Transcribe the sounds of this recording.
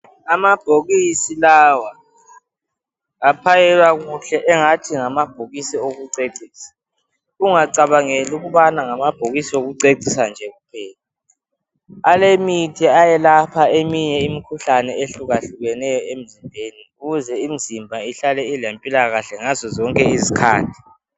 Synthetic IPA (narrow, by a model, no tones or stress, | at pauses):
amab̥ʱoɣisilawa | apʰajɛlwaɣuɬɛʔɛŋatʰiŋamab̥ʱoɣisioɣuǀeǀiːsḁ | uŋaǀaβaŋeluɣuβanaŋamab̥ʱoɣisioɣuǀeǀʱisand͡ʒʱɛɣupʰɛːla | alemitʰiajɛlapʰaemiɲɛimikʰuɬanɛeɬuɣaɬuɣɛnɛjɔem̩zimbʱeniuɣuzɛim̩zimbʱaiɬalɛilempʼilaɣaɬɛŋazɔzɔŋkʼɛizikʰa̰ːndʱi